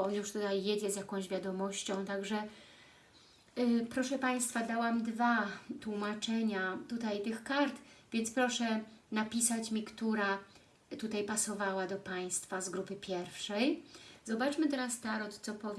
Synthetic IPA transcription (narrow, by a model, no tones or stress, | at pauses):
ɔnjuʂt̪ut̪ajːed͡ʑɛzʲjakɔ̃w̃ʑvʲjad̪ɔmɔɕt͡ɕɔ̃w̃t̪aɡʐɛ | pɾɔʂɛpaj̃st̪fad̪awamd̪vat̪wumat͡ʂɛɲat̪ut̪ajt̪ɘxkaɾt̪vʲjɛntspɾɔʂɛnapʲisat͡ɕmʲikt̪uɾa | t̪ut̪ajpasɔvawad̪ɔpaj̃st̪fazɡɾupɘpʲjɛɾfʂɛjzɔbat͡ʂmɘt̪ɛɾast̪aɾɔt̪sɔpɔvʲ